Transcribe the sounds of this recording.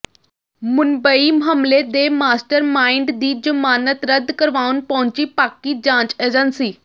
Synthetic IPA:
mʊnbəimɦəmled̪eːmaːsʈəɾmaːɪɳɖd̪iːd͡ʒəmaːnət̪ɾəd̪kəɾʋaːunpɔʊɲt͡ʃiːpaːkid͡ʒãːt͡ʃeːd͡ʒənsiː

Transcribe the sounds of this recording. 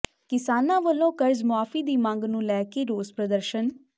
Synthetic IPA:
kɪsaːnãːʋəlːõːkəɾzmʊaːfiːd̪iːmãŋɡnũːlɛːkeːɾoːzpɾəd̪əɾʃən

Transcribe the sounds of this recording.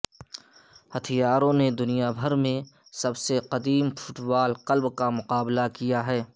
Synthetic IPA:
hɐt̪ʰijaːɾõned̪ʊnijabʱəɾmẽ | sɐbseqɐd̪iːmfʊʈbaːlqəlbkamʊqaːblakijaɦɛː

